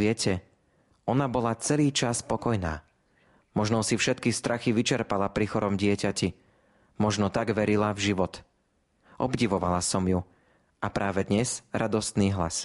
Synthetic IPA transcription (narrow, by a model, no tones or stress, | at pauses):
ɪɛcʰɛ | ɔnabɔlat͡sɛliːt͡ʃaspɔkɔjna̰ː | mɔʒnɔsifʃɛt̪kist̪ɾʔaxiʋit͡ʃɛɾpalapɾixɔɾɔmɟɪɛcaci | mɔʒnɔt̪aɡʋɛɾilavʒiʋɔt̪ | ʔɔbɟiʋɔʋalasɔmju | ʔapɾʔaːʋɛd̪ɲɛzɾʔad̪ɔst̪niːɦla̰s